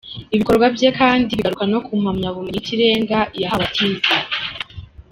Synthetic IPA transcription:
iβiko̞ɾɡwavje̞kaːndiβiɡaɾukano̞kum̥amɲaβumɲitiɾe̞ːŋɡajaɦaβatʰiːza

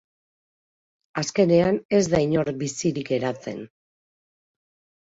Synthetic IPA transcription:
aske̞ne̞ane̞zd̪ajɲo̞ɾbisiɾike̞ɾat͡se̞̰n

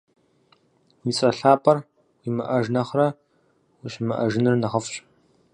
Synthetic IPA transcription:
mit͡sʼɐɬaːpʰʼɐr | wimɨʔɐʒnɐχrɐ | wiɕmɨʔɐ̰ʒɪnɨrnɐʁɐfɕʼ

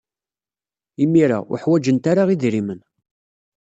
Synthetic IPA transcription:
imiɾa̰ʊ̰ħwæd͡ʒənt̪aɾaʁiðɾimən

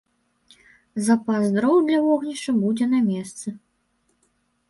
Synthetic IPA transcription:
zɐpazd̪ɾɔwd̪lʲɐvɔɣnʲiʂɐbud͡zʲɛnɐmʲɛst̪sɨ

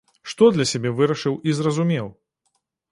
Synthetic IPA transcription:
ʂt̪ɔd̪lʲɐsʲabʲɛvɨɾɐʂɨwʔizrɐzumʲɛw

